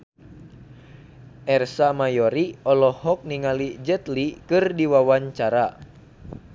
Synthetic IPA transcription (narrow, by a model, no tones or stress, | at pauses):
ʔɛrsamajɔɾiɔlɔhɔk̚niŋalid͡ʒət̪likɨrdiwawaɲt͡ʃaɾa